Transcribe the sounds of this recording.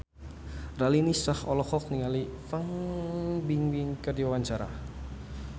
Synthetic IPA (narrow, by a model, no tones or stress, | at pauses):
ralinisahɔlɔkɔk̚niŋalifaŋ | biŋwiŋkədiwawaɲt͡ʃaɾa̰